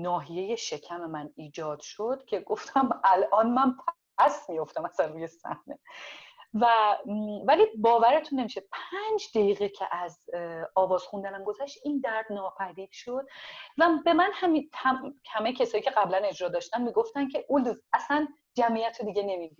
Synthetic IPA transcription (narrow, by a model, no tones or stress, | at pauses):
nɒːɦije̞je̞ʃe̞cʰæme̞mæniːd͡ʒɒːd̪̥ʃod̪̥cʲʰe̞ɡo̞ft̪ʰæmælʔɒːnmænt̪ʰ | æsmijo̞ft̪æmæsænruːje̞sæ̰hne | væ | vælibɒːvæɾet̪ʰunːe̞miːʃepʰænd͡ʒd̪ejiːɣecʰḛʔæzɒːvɒːz̥xund̪ænæmɡo̞zæʃt̪ʔind̪æɾd̪nɒːpʰæd̪iːd̪̥ʃo̞d̪̥̚væbe̞mænhæmiæhæmejcʰesɒːjiːcʰe̞æblæne̞d͡ʒɾɒːd̪ɒːʃt̪ænmiːɡo̞ft̪æncʰe̞ʔuld̪uzæsæn | d͡ʒæmijæt̪ʰod̪iɟene̞mivi